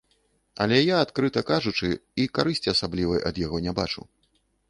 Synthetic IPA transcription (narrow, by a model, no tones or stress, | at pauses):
ɐ̰lʲɛjaːt̪kɾɨt̪ɐkaʐut͡ʂɨikaɾɨsʲt͡sʲiɐsablʲivɐjʔɐ̰d̪jaɣɔnʲaba̰t͡ʂṵ